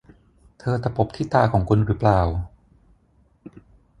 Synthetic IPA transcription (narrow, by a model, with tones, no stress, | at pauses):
t̪ʰɤː˧t̪a˨˩po˨˩˦p̚t̪ʰiː˥˩t̪aː˧kʰɔː˩˦ŋkʰu˧nɾɯː˩˦˥plaː˨˩w